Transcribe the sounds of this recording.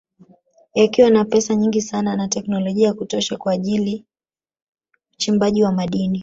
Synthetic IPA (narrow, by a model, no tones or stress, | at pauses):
jakiwanapɛsaɲiŋɡisananatɛknɔlɔʄiaakutɔʃakwaːʄili | ut͡ʃimbaʄiwamaɗini